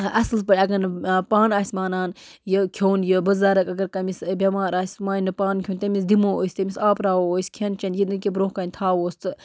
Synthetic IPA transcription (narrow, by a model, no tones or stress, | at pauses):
ɐsɨlspɐɽʲɐɡɐnɨpaːnaːsʲmaːnaːn | jɨkʲʰjoːnjɨbɨzaːɾɐkɐɡɐɾkɐmisbʲɐmaːɾaːsʲmaːjnɨpaːnkʰʲjoːnʲt̪ɐmis̬d̪imoːo̰ːsʲt̪ɐmʲisaːpɾaːoːoːsʲkʰent͡ʃɐnjinɨkʲibɾoːhkaːnʲt̪ʰaːwoːst̪ɨ